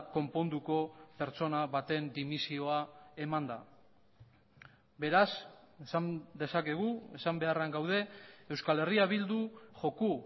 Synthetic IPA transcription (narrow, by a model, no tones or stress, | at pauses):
ko̞mpo̞nd̪uko̞pe̞ɾt͡so̞naβat̪e̞nd̪imisio̞ae̞mand̪a | be̞ɾasesand̪e̞sake̞ɣ̞ue̞sambe̞araŋɡawð̞e̞ewskale̞riaβ̞ild̪uʝo̞ku